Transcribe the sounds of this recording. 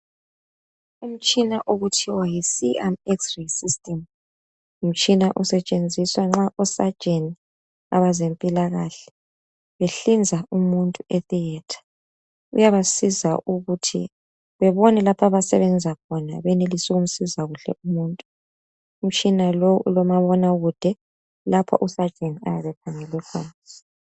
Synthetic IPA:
um̩t͡ʃʼinaʔoɣutʰiwajisiamɛksrisistʼɛm | um̩t͡ʃʼinaʔɔsɛt͡ʃʼend͡zʱiswaŋ͡ǁaʔɔsad̥ʒ̥ʱʼeni | a̰βazempʼilaɣaɬɛ̥ | βeɬind͡zʱaumuntʼueθiɛːtʰḁ | ṵjaβasizaʔuɣutʰḭ | βɛβɔnɛlapʰaβasɛβɛnd͡zʱakʰɔna̰βɛnelisiɣum̩sizaɣuɬɛ̰umuːntʼu | um̩t͡ʃʼinalɔṵlɔmaβɔnaɣud̥ʱɛ | lapʰa̰ʔusḁʒ̥ʱeniajaβɛpʰaŋɛlɛkʰɔːn

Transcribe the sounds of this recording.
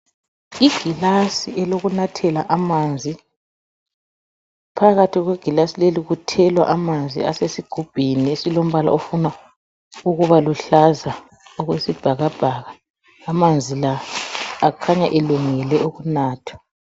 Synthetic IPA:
iɡ̥ʱilasiʔɛloɣunatʰɛlaʔamand͡zʱi | pʰaɣatʰiɣweɡ̥ʱilasileliɣutʰɛlwa̰ʔamand͡zʱḭa̰sesiɡ̥ʱub̥ʱiniesilom̩βala̰ofuna | uɣuβaluɬaza | oɣwesib̥ʱaɣab̥ʱaɣaː | mand͡zʱilaː | kʰaɲaʔeluŋɛlɛʔoɣunaːtʰwḁ

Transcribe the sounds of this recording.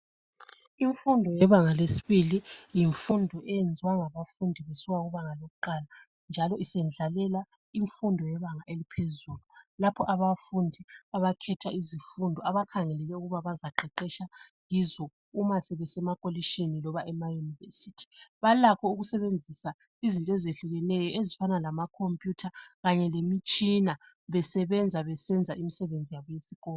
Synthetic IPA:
iɱfundʱɔjɛβaŋalesi̥βilijiɱfundʱɔʔɛjend͡zʱiwaŋaβafundʱiβesiwaɣuβaŋaloɣuǃala | nd͡ʒʱalɔʔisɛnd͡ɮʱalɛla | iɱfundʱɔjɛβaŋaʔelipʰezululapʰɔʔaβafundʱiaβakʰɛtʰaizifundʱɔaβakʰaŋɛlɛlɛuɣuβaβazaǃɛǃɛʃaŋizɔ | umasɛβɛsɛmakʼoliʃinilɔβaʔɛmajunivḛsitʰi̥βalakʰɔuɣusɛβend͡zʱisa | izintʼezeɬuɣɛnɛjɔʔezifanalamakʰompʼjutʰaɣaɲɛlemit͡ʃʼina | βɛsɛβɛnd͡zʱaβɛsɛnd͡zʱaʔimisɛβend͡zʱijaβɔjesiɣɔːlɔ

